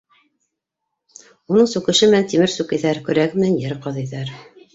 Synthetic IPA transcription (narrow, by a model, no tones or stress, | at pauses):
unɤɴsʉkɘ̆ʃɘmɘ̆nænt̪imɘɾsʉkɘ̆ðæɾkɵ̆ɾæɡɘmɘ̆nænjɘɾqɑðiðæɾ